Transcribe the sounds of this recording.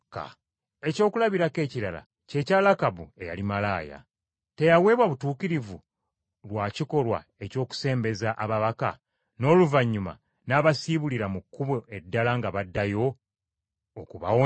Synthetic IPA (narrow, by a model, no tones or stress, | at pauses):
ka̰ | e̞co̞ːkulaβiɾake̞ːciɾala̰ | ce̞ːcaːlakaβue̞ja̰limalaːja̰ | te̞jawe̞ːβwaβutuːkiɾivu | lwaːciko̞lwa̰e̞co̞ːku̥se̞ːmbe̞zaʔaβaβaka̰ | no̞ːluvaɲːuma̰ | naːβasiβuliɾamukːuβoʔe̞dːalaŋɡaβadːajo̞ | kuβa̰wo